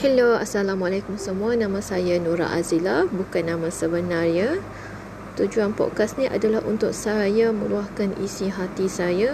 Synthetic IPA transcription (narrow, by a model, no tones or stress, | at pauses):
hɛloa̰salamalakʊmsəmuanãmãsajanuɾa̰ʔa̰zilabukanːãmãsəbənarja | t̪ud͡ʒuanpɔ̰t̚kasnĩʔa̰dalahṵnt̪ʊk̚sajamə̃luahkanḭsiɦat̪isaja